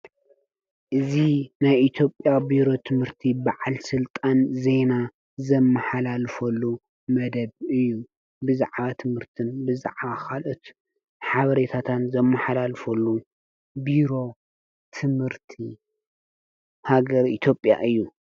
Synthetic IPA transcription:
ʔɨzinajʔit̪ʰjo̞pʼːjabiɾo̞t̪ʰɨmhɨɾt̪ʰibaʕalsɨlt̪ʼanze̞na | zɐmːaħalalfɐlːu | mɐd̪ɐbɨjːu | bɨzaʕβat̪ʰɨmhɨɾt̪ʰɨnbɨza̰ʕβakalʔot̪ | ħaβɐɾet̪ʰat̪ʰanzɐmːaħalalfɐlːu | biɾo̞ | t̪ʰɨmhɨɾt̪ʰi | haɡɐɾit̪ʰjo̞pʼja̰ʔɨjːu

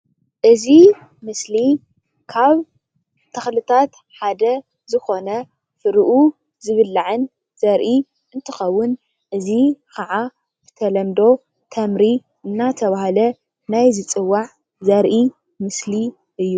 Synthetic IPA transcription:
ʔɨzi | mɨsli | kʰaβ | t̪ʰɐxlɨt̪ʰat̪ | ħad̪ɐ | zɨxo̞nɐ | fɨɾʔu | zɨβɨlːaʕɨn | z̥ɐɾʔi | ʔɨnt̪ʰɨxɐwːʊn | ʔɨzikʰɐʕa | bɨ̥t̪ʰɐlɐmd̪o̞ | t̪ʰɐmɾi | ʔɨnːat̪ʰɐβahalɐ | najzɨt͡sʼɨwːaʕ | zɐɾʔi | mɨsli | ʔɨjːu

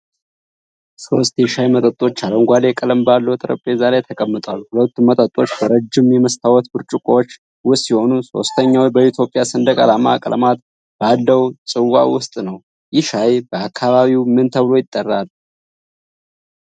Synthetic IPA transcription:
skʰowst̪ʼjʃajmət̪ʼət̪ʼːo̞t͡ʃːaləwŋɡʷalekʼələmbalːəwt̪ʼɨɾə̰pʼːezalajt̪ʰəkʼəmːɨt̪ʼalːhulət̪ːumːət̪ʼət̪ʼːo̞t͡ʃːbəɾəd͡ʒːɪmjɛməst̪ʰawɔt̪bɨɾt͡ʃʼukʼowot͡ʃː | wʊsiho̞nuso̞̰st̪ʰəɲːawibəit̪ʰjo̞pʼjasɨnd̪əkʼalama̰kʼələ̰mat̪̚ | balːəwsʼɨwa̰wʊst̪ʼnəw | jɪʃajbəakʰːaβaβiwmɨnt̪ʰəβɨlojɪt̪ʼːərːal

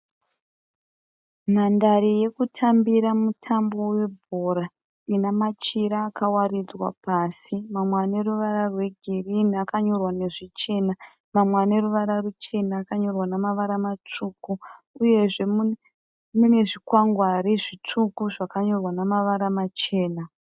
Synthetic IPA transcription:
mandaɾije̞kutʰambiɾamutʰambo̞we̞bʱo̞ːɾa | inamat͡ʃiɾaːkawarid͡zwa̰pasimamwane̞ruʋaɾarwe̞ɡʱiriniakaɲo̞rwane̞ʐit͡ʃe̞na | mamwane̞ruʋaɾarut͡ʃe̞naːkaɲo̞rwanamaʋaɾamat͡ʂuːku | uje̞ʐe | mune̞ʐikwaŋɡwariʐit͡ʂukuʐakaɲo̞rwanamaʋaɾamat͡ʃe̞ːna

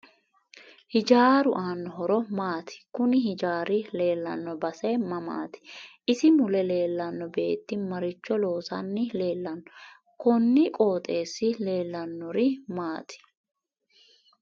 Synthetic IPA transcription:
hɪd͡ʒaːɾʊʔaːnːɔɦɔɾɔmaːt̪ɪ̥kʊnɪɦɪd͡ʒaːɾɪle̞ːlːɐ̰nːɔbɐsɛmɐma̰ːt̪ɪ̥ʔɪsɪmʊlɛle̞ːlːɐnːɔbe̞̰ːt̪ːɪmɐɾɪt͡ʃːɔlo̞ːsɐnːɪle̞ːlːɐnːɔ | kɔnːɪkʼo̞ːt̪ʼe̞ːsːɪle̞ːlːɐnːɔɾɪmaːt̪ʰɪ̥

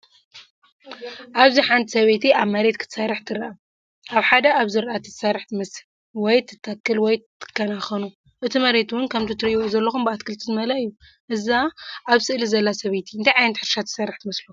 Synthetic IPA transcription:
ʔaβziħant̪ʰi̥sɐβet̪ʰiʔaβmɐɾet̪kʰɨ̥t̪saɾɨħt̪ʰɨɾɐʔa | ʔaβħad̪ɐʔaβzɨɾʔat̪ʰɨt̪saɾħmɐs | wɔjt̪ʰɨ̥t̪ʰːakːɨlwɔjt̪ʰːɨ̥kʰːɐnaxɐnu | ʔɨt̪ʰimɐɾe̞t̪uwʊnkʰɐmt̪ʰɨt̪ʰɨɾɨjwozɐlːɐxumbɨat̪kʰɨlt̪ʰizɨmɐlaɨjːu | ʔɨzaaβsɨʔlizɐlːasɐβet̪ʰiɨnt̪ʰajʕajnɐt̪ħɨɾʃat̪ʰɨ̥sarɨħt̪ʰɨmɐslu

